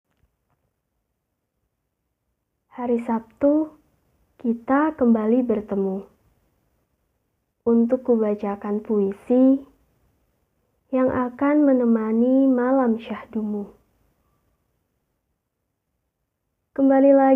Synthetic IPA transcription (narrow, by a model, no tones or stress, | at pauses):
haɾisap̚t̪u | kit̪akəmbalibərt̪əmu | ʔunt̪ʊkːubat͡ʃakanpuisi | jaŋʔakanmənəmanimalamʃahdumu | kəmbalila